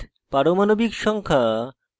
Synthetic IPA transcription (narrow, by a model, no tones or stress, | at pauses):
paɾomanobikʃɔŋkʰa